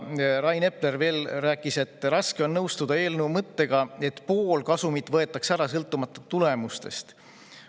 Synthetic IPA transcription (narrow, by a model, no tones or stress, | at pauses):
rɑjne̞plerve̞ːlræːkˑːise̞t̪ːˑrɑske̞o̞nnɤwst̪ud̪̥ɑe̞ːlnuumɤt̪ːe̞ɡ̥ɑe̞t̪po̞ːlkɑsumit̪ˑvɤe̞t̪ˑːɑksæɾɑsɤlt̪ːˑumɑt̪ːˑut̪ːule̞must̪e̞̰st̪